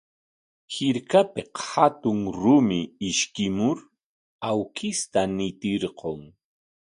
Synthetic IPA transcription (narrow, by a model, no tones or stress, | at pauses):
hɪɾkapeqhat̪ʊŋɾʊmɪːʃkɪmʊɾ | awkʰɪst̪anɪt̪ɪɾqoŋ